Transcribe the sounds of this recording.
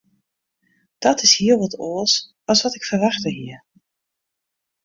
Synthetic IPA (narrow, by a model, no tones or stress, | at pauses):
d̥ɔtɪshiːəlʋɔtoːlˠs | ɑlˠsʋɑtɪkfərʋɑxtəɦiːəɹ